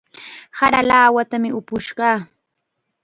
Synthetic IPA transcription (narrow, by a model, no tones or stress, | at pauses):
haɾalaːwat̪amɪʊpʊʃɢɑː